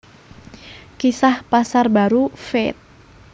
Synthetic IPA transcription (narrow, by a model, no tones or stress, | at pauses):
kisahpasarbaɾufɛt̪̚